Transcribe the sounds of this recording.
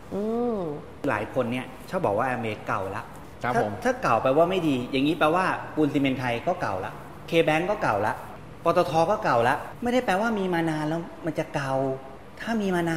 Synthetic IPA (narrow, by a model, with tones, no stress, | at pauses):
ʔɯː˧ | la̰ː˩˦jkʰo˧nːi˥˩ɐt͡ɕʰa˥˩bɔː˨˩k̚waː˥˩ʔɛː˧mʔeː˧ka˨˩wla˦˥ʔʰ | a˥˧t̪ʰaː˥˩ka˨˩wpa˧jwaː˥˩ma˥˩jdiː˧ja˨˩ŋːiː˦˥pɛː˧waː˥˩kuː˧nsiː˧me˧nt̪ʰa˧jkɔː˥˩ka˨˩wla̰˦˥ʔ | kʰeː˧bɛː˦˥ŋkɔː˥˩ka˨˩wla˦˥ʔ | pɔː˧t̪ɔː˧t̪ʰɔː˧kɔː˥˩ka˨˩wla˦˥ʔma˥˩jda˥˩jpɛː˧waː˥˩miː˧maː˧naː˧nlɛː˦˥wma˧nt͡ɕa˨˩ka˨˩w | t̪ʰaː˥˩miː˧maː˧naː˧